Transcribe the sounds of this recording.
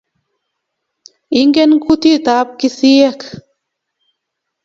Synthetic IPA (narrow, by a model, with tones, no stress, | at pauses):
i˦ŋɡe˦nku˦t̪i˦t̪a˨˦p̚ki˦si˦je˦k